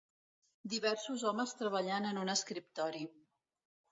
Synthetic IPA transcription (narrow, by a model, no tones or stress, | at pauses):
d̪iβɛrsuzɔməst̪ɾəβəʎanənunəskɾip̚t̪ɔɾi